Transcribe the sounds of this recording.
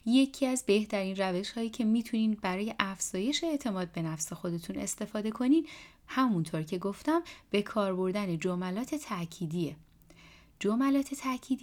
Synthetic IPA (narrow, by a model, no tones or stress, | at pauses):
je̞cʰiæzbe̞ht̪ʰæɾiːnræve̞ʃhɒːjiːcʰe̞miːt̪ʰuniːnbæɾɒːje̞ʔæfz̥ɒːje̞ʃeːʔt̪ʰe̞mɒːd̪̚be̞næfse̞xo̞d̪e̞t̪ʰune̞̰st̪e̞fɒːd̪e̞kʰo̞niːn | hæmunt̪ʰoɾcʰe̞ɡo̞ft̪æmb̥e̞kʰɒːɾbo̞ɾd̪æne̞d͡ʒomælɒːt̪ʰe̞t̪ʰæcʰiːd̪ie | d͡ʒomælɒːt̪ʰe̞t̪ʰæcʰiːd̪i